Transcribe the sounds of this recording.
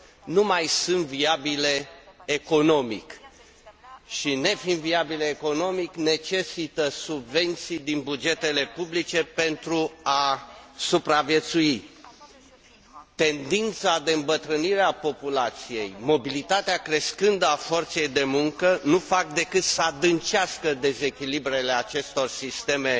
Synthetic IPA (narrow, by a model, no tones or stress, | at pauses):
numajsɨnt̪viabile̞ːko̞no̞mḭk | ʃine̞fimviabileːko̞no̞mikne̞t͡ʃe̞sit̪əsubve̞nt̪sijd̪inbud͡ʒe̞t̪e̞le̞publit͡ʃe̞pe̞nt̪ɾuasupɾavje̞t̪sui | t̪e̞nd̪int̪sad̪e̞ɨmbət̪ɾəniɾeapo̞pulat̪sije̞jmo̞bilit̪at̪eakɾe̞skɨnd̪əafo̞rt̪se̞jd̪e̞muŋkənufak̚d̪e̞kɨt̪səad̪ɨnt͡ʃeaskəd̪e̞ze̞kʲilibɾe̞le̞at͡ʃe̞st̪o̞rsist̪e̞me̞